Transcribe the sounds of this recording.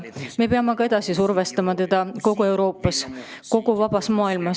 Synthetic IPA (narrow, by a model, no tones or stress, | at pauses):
me̞peɑmekɑe̞d̪̥ɑsisurvest̪ɑmɑt̪e̞d̪̥ɑko̞ɡue̞wɾo̞ːpːˑɑs | ko̞ɡuvɑb̥ɑsmɑːilmɑs